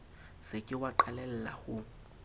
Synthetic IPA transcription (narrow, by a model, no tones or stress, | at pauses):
sɪkʼɪwaǃalɛl̩la̰ɣʊ